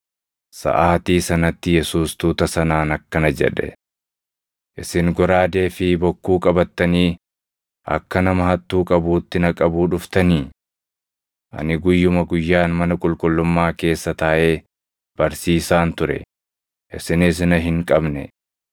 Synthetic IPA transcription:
sɐ̰ʔaːt̪iːsɐnɐt̪ːɪjɛsuːst̪uːt̪ɐsɐnaːnɐkːɐnɐd͡ʒɛ̰ᶑɛ̰ | ʔɪsɪŋɡɔɾaːd̪e̞ːfɪbɔkːuːkʼɐbɐt̪ːɐniː | ɐ̰kːɐnɐmɐɦɐt̪ːuːkʼɐbuːt̪ːɪnɐkʼɐbuːᶑʊft̪ɐniː | ʔɐ̰nɪɡʊjːʊmɐɡʊjːaːnmɐnɐkʼʊlkʼʊlːʊmːaːke̞ːsːɐt̪aːʔeː | b̥ɐɾsiːsaːnt̪ʊɾɛ̰ | ʔɪsɪnɪs̬ɪnɐɦɪŋkʼɐbnɛ̰

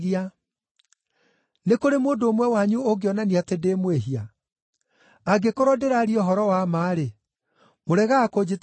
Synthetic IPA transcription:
ia | nekoɾemoːndoːmwɛwaɲuoɡeɔnaniatedemweɦia | aɡekoɾɔdeɾaɾiɔɦɔɾɔwamaːɾe | moɾɛɣaːkod͡ʑet

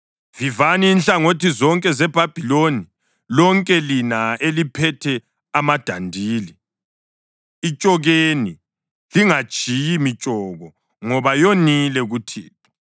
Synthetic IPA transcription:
vivaniːnɬaŋotizɔŋkʼɛzɛb̥ʱab̥ʱiloni | lɔŋkʼɛlinaelipʰɛtʰɛ | amad̥ʱandʱiːli | it͡ʃʼɔɣeni | liŋḁʒ̥ʱijimit͡ʃʼɔɣɔ | ŋɔβajonilɛɣutʰḭːt̚ʰɔ̥

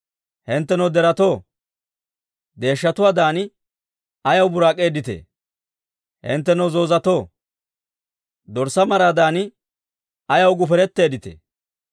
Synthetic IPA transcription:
hɪnt̪ːɛnɐwd̪ɛɾɐt̪o̞ː | d̪e̞ːʃːɐt̪ʊwaːd̪aːnɪ | ɐjɐwbʊɾaːkʼːe̞ːd̪ɪt̪ḛː | hɪ̰nt̪ːɛnɐwzo̞ːzɐt̪o̞ː | d̪ɔɾsɐmɐɾaːd̪aːnɪ | ɐjɐwɡʊfɛɾɛt̪ːe̞ːd̪ɪt̪ḛː

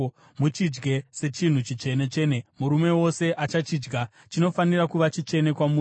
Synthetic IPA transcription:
mut͡ʃid͡ʒɡe̞se̞t͡ʃin̤ut͡ʃit͡ʃe̞ne̞t͡ʃenemuɾume̞wo̞se̞ʔat͡ʃat͡ʃid͡ʒɡa | t͡ʃino̞fanirakuʋat͡ʃit͡ʃe̞ne̞kwamuː

